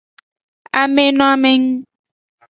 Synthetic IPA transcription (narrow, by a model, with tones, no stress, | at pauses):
a˨mẽ˦nɔ̃˦a˦me˨ŋ˦